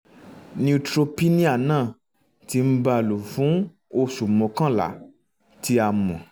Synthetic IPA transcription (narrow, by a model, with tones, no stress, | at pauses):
nĩ˧tɾo˧pi˦nĩ˦a˦˨nãː˦˨ | ti˧˦m̩˦ba˧˨lu˨fũ˨˦ | o˧su˨mɔ̃˧˨kã˦˨la̰˨˦ | ti˧a˧mɔ̰̃˨